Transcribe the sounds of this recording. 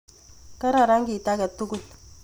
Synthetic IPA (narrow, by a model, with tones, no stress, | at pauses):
ka˦ɾa˨ɾa˦ŋɡi˨ta˦kɛ˨tu˦ku˦˨l